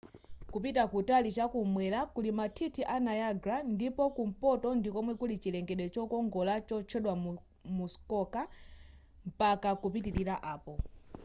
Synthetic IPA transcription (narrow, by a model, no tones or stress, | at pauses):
kupitakutalit͡ʃakumwɛlakulimatʰitʰiʔanajaɡɾandipɔkum̩pɔtɔndikɔmwɛkulit͡ʃilɛŋɡɛɗwɛt͡ʃɔkɔŋɡɔlat͡ʃɔt͡ʃʰɛɗwa | muskɔka | m̩pakakupitiɾiɾaʔaːpɔ